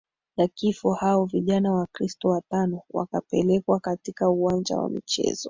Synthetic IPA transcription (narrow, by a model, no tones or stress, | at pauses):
nakifɔhaɔviʄanawakɾistɔwatanɔwa̰kapɛlɛkwakatikauwand͡ʒa̰wa̰mit͡ʃɛ̰zɔ